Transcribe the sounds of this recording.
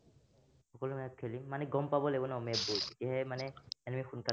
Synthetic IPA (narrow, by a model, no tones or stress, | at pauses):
xɔkɔlumɔjat̚kʰelimːanɛɡɔmpabɔlɛbɔnaɔmɛbuetijaɦɛmanɛɛnmixunka